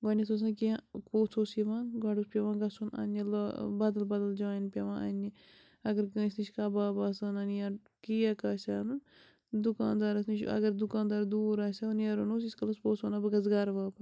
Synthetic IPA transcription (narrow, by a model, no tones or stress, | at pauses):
ɡanitsʰos̬akiãkoːt͡sʰoːsiʋaːnɡaɖuspʲeʋãːɡɐsuna̰nilbad̪ɐlbaːd̪ɐld͡ʒaːjinpʲeʋãːʔɐ̰nʲːi | ɐɡəɾkːisnit͡ʃkaːbaːbaːsaːnanijaː | kijakaːsʲaːnu | d̪ukaːnd̪aːɾɐsnit͡ʃʰɐ̰ɡəɾd̪ukãːnd̪aːɾd̪uːɾaːsʲanjaɾonoːs̬iskɐlɐspoːt͡sʰaːnaːbɐɡɐzɡaːɾʋaːbɐ